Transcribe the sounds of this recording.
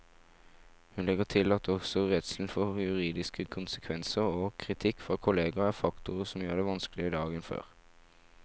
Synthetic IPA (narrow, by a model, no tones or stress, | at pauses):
hʉnlɛɡət̪ʰɪlɑt̪ɔɡsɔʁɛt̪sl̩n̩fɔʁjʉʁiːd̪ɪskəkʰʊnsəkʰʋɛnsəʁoːkʰʁɪt̪ʰɪkːfʁɑːkʰʊleːɡɑæʁfɑkt̪ʊʁəsɔmjøːʁd̪ɛʋɑnskəlɪəd̪ɑːɡənfø̰ːʁ